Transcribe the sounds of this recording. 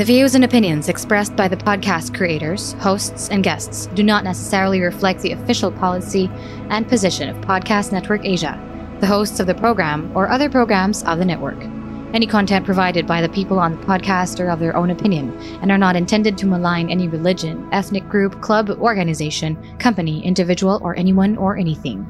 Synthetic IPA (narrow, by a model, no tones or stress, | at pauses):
ðɨvioʊzɨ̃nɨpɪ̃njɨ̃nzɨkspɹɛsb̥aɪðɨpʰɑd̚kʰæstkʰɹ̥ieɪɾə˞z̥hoʊstsɨ̃nɡɛstsd̥ɨnətⁿnɛsə̥sɛɹl̩ˠiɹɨflɛk̚t̪̚ðiɨfɪʃl̩ˠpʰɑlˠəsi | ʔɨ̃npʰɨzɪʃɨ̃nʌ̰v̥pʰɑd̚kʰæstnɛt̚wə˞keɪʒɨ̰ | ðɨɦoʊstsʌvðɨpʰɹ̥oʊɡɹæ̃mə˞ʔʌðə˞pʰɹ̥oʊɡɹæ̃mz̥ʌ̰vðɨnɛʔwə̰˞k | ɛñikʰɑ̃ntʰɛ̃npʰɹ̥ɨvaɪɾɨd̚baɪðɨpʰipl̩ˠə̃nðəpʰɑd̚kʰæstə˞ʌvðə˞ʔõʊ̃nɨpʰɪ̃njɨ̃n | ɨ̃nə˞nəɾɨ̃ntʰɛ̃ndɨd̚tʰɨməlãɪ̃nɛniɹɨlɪd͡ʒɨ̃nɛθnɨk̚ɡ̥ɹʉpkʰl̥ʌbɔɹɡɨnɨzeɪʃɨ̃n | kʰʌ̃mpɨniʔɪ̰̃ndɨvɪd͡ʒəwl̩ˠə̰˞ʔɛniwʌ̃nə˞ʔɛniθɪ̰̃ŋ